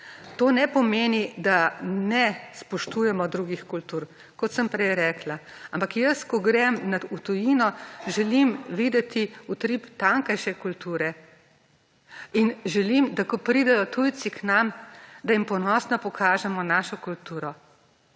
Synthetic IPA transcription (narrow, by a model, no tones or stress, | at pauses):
t̪oːnɛpɔmeːnid̪anɛspɔʃt̪ujɛmɔd̪ɾuːɡixkult̪uːɾ | kɔt̪səmpɾɛjɾɛːklaampakjəskɔɡɾɛmnaut̪ujinɔʒɛlimʋiːd̪ɛt̪iut̪ɾipt̪aŋkajʃɛkult̪uːɾɛ | inʒɛlimd̪akɔpɾid̪ɛjɔt̪uj̪t͡s̪iknamd̪ajimpɔnɔːsnɔpɔkʰaːʒɛmɔnaːʃɔkult̪uːɾɔ